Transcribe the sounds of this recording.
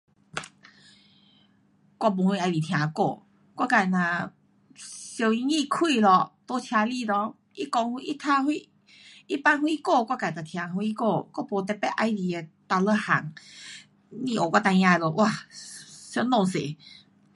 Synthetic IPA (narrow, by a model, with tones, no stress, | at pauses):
kwa˧˨p̬o˧˨hwi˧a˧ji˨t̪ʰjã˧ko̰˥˧˨ | kwa˥˧ka˨jnã˨ | ɕo˧i˧ŋĩ˥˧˨kʰwi˥˧˨lɔ˧t̪o˦t͡ɕʰja˧li˧˨lɔ˧ | i˦kɔ˧ŋhu˧ʔi˦t̪ʰa˧hwi˧˨ | i˦pa˦nhwi˦ko˥˧˨kwa˧˩ka˨t̪a˨t̪ʰj̃ã˧ɦwi˧˦ko˧kwa˦˧˨po˨t̪ɛ˧pɛ˦ʔa˧jli˨˩e˨˩t̪a˧lə˧˦ha̰˨˩ŋ | nĩ˧˨o˨kʷwa˦˧t̪a˧jã˧˨lɔ˧˩ʔwʔa˧ | sɔ˧˦nɔ˥˧˨ŋsḛ˨˦